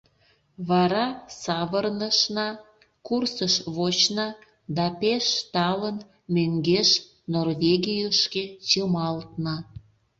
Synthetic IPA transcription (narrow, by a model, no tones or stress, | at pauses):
βɑɾɑsɑβərnəʃnɑ | kursəʃβot͡ɕnɑ | d̪ɑpeʃt̪ɑlən | møŋɡeʃ | norvʲeɡʲijəʃket͡ɕəmɑlt̪nɑ